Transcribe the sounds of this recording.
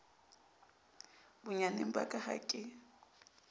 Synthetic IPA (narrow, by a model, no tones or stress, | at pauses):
bʊɲanem̩ba̰kʼaha̰kʼɪ